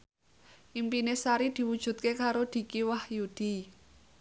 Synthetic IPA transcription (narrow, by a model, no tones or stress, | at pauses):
ʔimpinesaɾid̪̥i̤wud̥ʒ̥ṳt̪̚kekaɾod̪̥i̤kiwahjud̪̥i̤